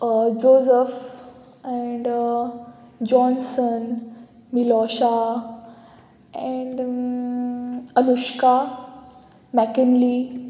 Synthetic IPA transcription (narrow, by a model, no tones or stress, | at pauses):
d͡ʒoːzəf | ɛ̃ɳɖ | d͡ʒɔ̃ːnsən | milɔʃa | ɛ̃ɳɖ | ənʊʃka | mɛkənli